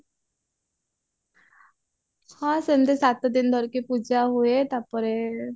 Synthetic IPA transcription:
hãsənd̪esat̪d̪ind̪ʱɔɾkepud͡ʒaɦuet̪apɔɾe

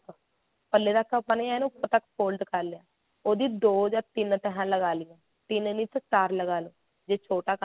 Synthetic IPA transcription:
pəlːeːd̪aːkəpəneaːnũːpət̪əkpʰoːlɖkəɾlɪjaː | oːd̪iːd̪oːd͡ʒaːt̪ɪnt̪əɦãːləɡaːlɪjãː | t̪ɪnniːt̪t͡ʃaːɾləɡaːloː | d͡ʒeːt͡ʃʰoːʈaːk

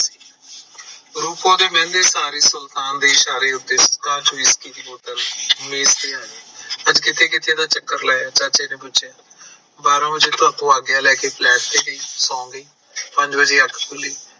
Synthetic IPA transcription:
siː | ɾuːkõːd̪eːmɛ̃ːnd̪eːsaːɾiːsʊlt̪aːnd̪eːɪʃaːɾeːʊt̪ːeːskaːt͡ʃʋiːskiːt̪iːboːt̪əlʊmeːzt̪iːaːneːəd͡ʒkɪt̪ʰeːkɪt̪ʰːjẽːd̪aːt͡ʃəkːəɾlɛːjaːt͡ʃaːt͡ʃeːnẽːpʊt͡ʃjaː | baːɾõːbəd͡ʒeːt̪əɾt̪õːaːɡɪjaːlɛːkeːplɛːʈ̚t̪eːɡiːsɔ̃ːŋɡiː | pəɲd͡ʒbəd͡ʒeːəkʰːkʊliː

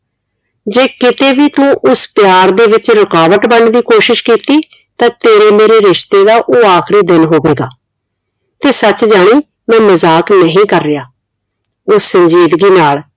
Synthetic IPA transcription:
d͡ʒeːkɪt̪eːbiːt̪ũːʔʊspjaːɾd̪eːʋɪt͡ʃɾəkaːʋəʈbəɳd̪iːkoːʃɪʃkiːt̪iː | t̪ãːt̪eːɾeːmeːɾeːɾɪʃt̪eːd̪aːʔoːaːkʰɾiːd̪ɪnɦoːʋeːɡaː | t̪eːsət͡ʃd͡ʒaːɽ̃iː | mɛ̃ːməzaːknəɦĩːkəɾːɪjaː | ʊːəɲd͡ʒiːd̪ɡiːnaːl

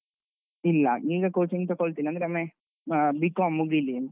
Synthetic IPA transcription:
ilːɐiːɡɐkoːt͡ʃiŋɡt̪ɔkoɭt̪iːniɐnd̪ɾeɐme | bikːõmuɡili

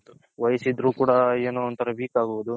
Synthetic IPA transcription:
ʋɐjɐsid̪ɾuːkuːɽɐeːnoːɐnt̪ʰɐɾɐbiːkaːɡuʋud̪u

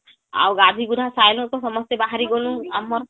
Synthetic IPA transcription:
a̰wɡad̪ʱiɡudʱasajnukɔsɔmɔst̪ebaɦaɾiɡonuamɔɾ

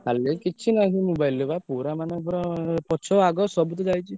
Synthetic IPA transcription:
kalekit͡ʃʰinakimubajlːebapuɾamanepuɾɔpɔt͡ʃʰɔaɡɔsɔbut̪̬ɔd͡ʒajt͡ʃʰi

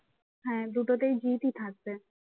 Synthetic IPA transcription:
ɦɛ̃ːd̪uʈot̪ejd͡ʑit̪it̪ʰak̚be

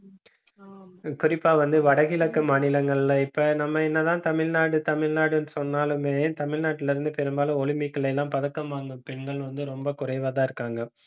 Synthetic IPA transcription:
kʊrɪpːaːʋɐnd̪ɯʋɐɽɐɣɪlɐkːɯmaːnɪlɐŋɡɐɭɪlːɐɪpːɐnɐmːɐɛnːɐðãːt̪ɐmɪɻnaːɽɯt̪ɐmɪɭnaːɽɯnɯsɔnːaːlɯmeːt̪ɐmɪɻnaːʈːɪlɪɾɯnd̪ɯpɛɾɯmbaːlɯ̃ɔɭɪmɪkːɐɭɛlːãːmpɐðɐkːɐmaːŋɡɯmpɛɳɡɐɭʋɐnd̪ɯɾɔmbɐkʊrɐɪʋaːðãːɪɾɯkːaːŋɡɐ

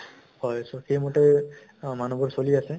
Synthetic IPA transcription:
hɔjsoxejmɔtɛ | manɔbɔɹsoliasɛ

